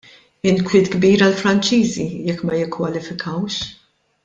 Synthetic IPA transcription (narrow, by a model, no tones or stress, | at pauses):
ɪnkwɪːt̪ɡbiːɾɐlfɾɐnt͡ʃiːzijɛkːmɐjɪkːwɐlɪfɪkʰɐwʃ